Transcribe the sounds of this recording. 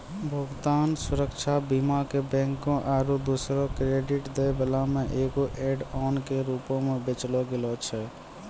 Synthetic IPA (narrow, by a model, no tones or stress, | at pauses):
bʱəɡt̪aːnsuɾəkt͡ʃʰabimakebɛ̃ŋkõʔaːɾud̪usɾɔkɾeɖiʈd̪ebəlameʔeɡoʔeɖɔnkeɾupõmebet͡ʃlɔɡelɔt͡ʃʰɛ